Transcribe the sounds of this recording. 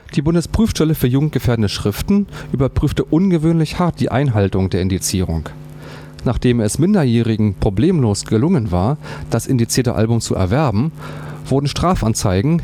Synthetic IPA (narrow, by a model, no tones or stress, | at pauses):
d̥iːbʊndəspʁ̥yːfʃtɛləfyːɐjuːɡŋ̩t̚ɡ̥əfeːɐdənəʃʁ̥ɪftn̩ʔyːbɐpʁ̥yːftəʔʊnɡəvøːnlɪçhaɐt̚d̥iːʔa̰ɪnɦaltʊŋd̥eːɐɪndit͡siːʁʊ̰ŋk | naːχd̥eːmɛsmɪndɐjɛːʁɪɡŋ̩pʁ̥obleːmloːsɡ̥əlʊŋənvaːɐd̥asʔɪndit͡siːɐtə̰ʔa̰lbʊmt͡sṵʔɛ̰ɐvɛɐbm̩v̥ʊɐdn̩ʃtʁ̥aːfant͡saɪɡŋ̩